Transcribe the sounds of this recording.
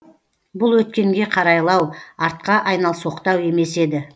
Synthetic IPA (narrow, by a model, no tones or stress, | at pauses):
bʊlˠwɵt̪kʲe̞ŋɡʲe̞qʰɑɾɑjlˠɑwɑɾt̪̚qɑʔɑjnɑlˠsoqt̪ɑwe̞me̞se̞d̪ɪ